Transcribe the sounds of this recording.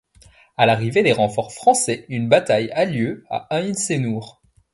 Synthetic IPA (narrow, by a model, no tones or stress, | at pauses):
alaʁived̪eʁɑ̃fɔʁfχɑ̃sɛynbat̪ajaljøa̰ɛ̃insenuːʁ